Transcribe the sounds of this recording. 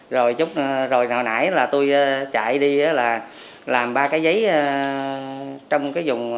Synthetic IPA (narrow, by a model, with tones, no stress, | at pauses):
zo˨˩jt͡ɕʊ˦˥k͡p̚zo˨˩jnɔ˨˩na̰ː˧˩jlaː˨˩t̪u˧jʔaː˧˦t͡ɕa̰ː˧˨jɗi˧ʔaː˨˦laː˨˩ | laː˨˩mɓaː˧kaː˨˦jzə˨˦jə˧ | t͡ɕɔ˧wŋ͡mkaː˨˦jzʊ˨˩ŋ͡m